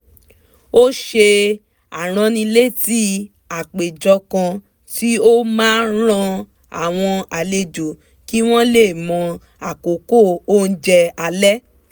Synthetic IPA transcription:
o˦ʃe˧ | a˨ɾ̃ã˧nĩ˧le˦˨ti˦ | a˨k͡pe˨d͡ʒɔ˧kã˧ | ti˦o˦mãː˦n˦ɾ̃ã˧ | a̰˨w̃ɔ̃˧a˨le˧˨d͡ʒo˨ | ki˦w̃ɔ̃˦le˦˨mɔ̃˧ | a˨ko˨ko˦˨o˦˨n̩˦d͡ʒɛ˧a˧lɛ˦

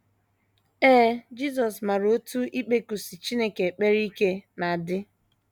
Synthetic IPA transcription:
eː˦d͡ʒi˦s̬ɔ˨sma˨ɾo˦tu˦ʔi˦k͡pe˦ku˨si˨t͡ʃi˦ne˦ke˨k͡pe˦ɾi˦ke˦na˨dɪ˦

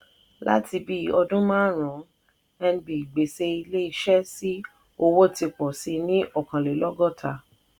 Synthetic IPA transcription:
la̰˦ti˧bi˦ɔ˧dũ˦mãː˦ɾ̃ɔ̃˨˦ | ɛ˧n˧bi˨ɡ͡be˨se˦i˧le˦i˧ʃɛ˦si˦ | o˧wo˦ti˧k͡pɔ˨si˧nĩ˦ʔɔ˨kã˨le˨lɔ˦ɡɔ˦˨tʰa˧˨

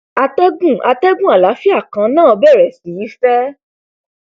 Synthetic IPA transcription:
a˧tɛ˦ɡũ˦˨a˧tɛ˦ɡũ˦a˨la˨˦fi˦a˦˨kã˨˧nãː˦˨ɔ˧bɛ˦˨ɾɛ˨si˨i˨˦fɛ˦

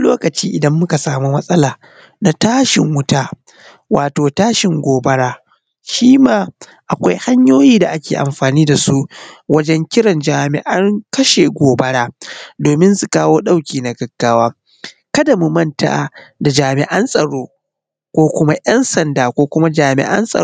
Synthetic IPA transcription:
loː˦kɐ˨t͡ʃiː˦ʔɪ˨dɐ˦mːʊ˦ka˨saː˨mu˦mɐ˦sʼɐ˦laː˨ | na˨taː˦ʃɪ̰˨ŋwʊ˦taː˦ | waː˨toː˨taː˦ʃɪ˨ŋɡʷoː˨bɐ˦ɽaː˦ | ʃiː˦maː˦˨ | ʔa˨kʷa˦jha˦ɲjoː˦jiː˦da˨ʔa˦kʲḛː˨ʔa̰˨mɸaː˨niː˦da˨su˦ʔwɐ˦d͡ʒɛ˦ŋkʲɪ˦ɽɐ˨nd͡ʒaː˨mɪ̰˨ʔa˦ŋkɐ˦ʃe˨ɡʷoː˨bɐ˦ɽaː˦doː˨mɪ˦nsu˨kaː˦woː˦ɗa˦wkʲiː˨na˨ɡɐ˨ɡ̥ːaː˦waː˦ | kɐ˦dɐ˨mu˨mɐ˦nta̰˦ʔa˨da˨d͡ʒaː˨mɪ˨ʔɐ˦nsʼɐ˨ɽoː˦ | kʷoː˦kʷʊ˦ma˦ʔjɐ˦nsɐ˨ndaː˨kʷoː˦kʷʊ˦ma˦d͡ʒaː˨mɪ̰˨ʔɐ̰˦nsʼɐ̰˨

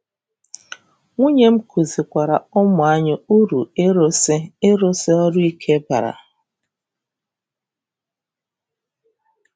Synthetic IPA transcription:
ŋʷu˦ɲe˦m̩˦kʰu˨zi˨kʷa˨ɾa˨ʊ˦m˨a˦ɲɪ˦u˦ɾu˨e˦ɾo˦sɪ˦e˦ɾo˦se˦ɔ˦ɾu˦i˦kʰe˦ba̰˨ɾa̰˨

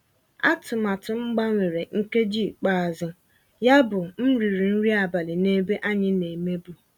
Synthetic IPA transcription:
a̰˦tʊ˨ma˨tʊ˨ŋ͡m̩˦ɡ͡ba˦ŋʷe˨ɾe˨ŋ̩˦ke˦d͡ʒi˦˨k͡pa˦˨zʊ˦ | ja˦bʊ˨m̩˦ɾi˨ɾi˨n̩˦ɾi˦a˨ba˨lɪ˨ne˦be˦ʔa˦ɲɪ˦ne˨me˦bu˨

